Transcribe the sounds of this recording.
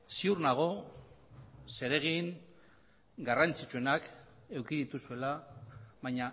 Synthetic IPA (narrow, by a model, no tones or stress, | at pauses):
siurnaɣ̞o̞ | se̞ɾe̞ɣiŋ | ɡarant͡sit͡ʃue̞nak | e̞wkiðit̪usue̞laβajɲa